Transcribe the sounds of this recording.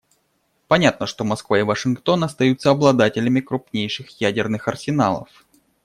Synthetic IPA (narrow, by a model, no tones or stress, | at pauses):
pɐnʲat̪̚nəʂt̪o̞mɐskvaɪvəʂɨnkt̪o̞nɐst̪ɐjut̪sːəɐblˠɐd̪atʲɪlʲɪmʲɪkɾʊpnʲejʂɨxjædʲɪrnɨxɐrsʲɪnalˠə̰f